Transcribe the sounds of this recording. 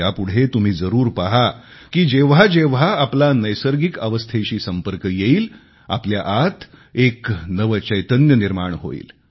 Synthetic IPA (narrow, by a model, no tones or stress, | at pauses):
apuɽ̤et̪um̤iːd͡zəɾuːɾpaɦa | kiːd͡ʑeʋ̤ad͡ʑeʋ̤aːplanəjsəɾɡikəʋəst̪ʰeɕiːsəmpəɾkjeiːl | a̰pljaʔat̪ʰeknəʋət͡ɕəjt̪ənjəniɾmaɳɦo̰ḭːl